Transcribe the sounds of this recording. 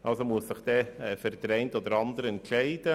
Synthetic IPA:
ʔɑlsomuəssɪχd̥̪ɛɛfɛɾd̪ɾɛɪntod̪əɾɑnd̪əɾɛntʃɛɪd̥ə

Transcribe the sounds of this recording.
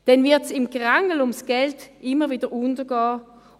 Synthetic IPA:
d̥ɛnvɪɐtsɪmɡʁaŋəl̩ʊmsɡ̥ɛltɪməviːdəʁʊntəɡ̥ɑː

